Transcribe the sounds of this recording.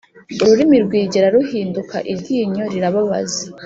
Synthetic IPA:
uɾuɾimiɾɡwiːɟeɾaɾuhiːndukʰa̰ʔibɟiːɲo̞ɾiɾaβaβa̰zi

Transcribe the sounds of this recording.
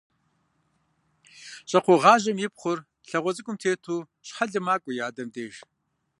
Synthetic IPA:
ɕʼɐqʰʷoʁɑːʑɐmjɪpχʷʊr | ɬɐʁʷɔt͡sʼɨkʷʼʊmtʰeːtʰuː | ɕħaɮɨmaːkʷʼʊjaːdɐmdeːʒ

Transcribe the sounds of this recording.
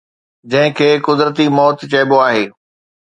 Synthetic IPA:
d͡ʑɐ̃ɦɪ̃kʰeːkʊd̪ɾət̪imɔːt̪t͡ɕɐːboaːɦeː

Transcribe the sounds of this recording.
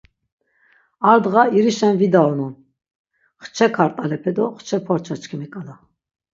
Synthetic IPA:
aɾd̪ʁaiɾiʃɛnvid̪aɔnun | χt͡ʃʰɛkʰaɾt̪ʼalɛpʰɛd̪ɔχt͡ʃʰɛpʰɔɾt͡ʃʰat͡ʃkʰimikʼala

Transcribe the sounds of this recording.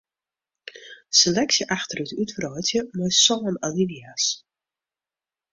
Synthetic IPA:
selɛksjəʔaxtərytytfərɔjtjəmɔjsɔːnaliʋias

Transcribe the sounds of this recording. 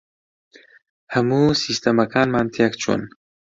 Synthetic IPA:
hɐmuːsist̪ɐmɐkʰɑːnmɑːnt̪ʰjakt͡ʃʰṵn

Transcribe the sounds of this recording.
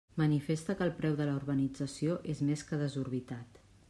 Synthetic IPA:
mənifest̪əkəːlˠpɾɛwðələuɾβənid͡zəsioʔezmeskəð̞əzuɾβ̞it̪at̪

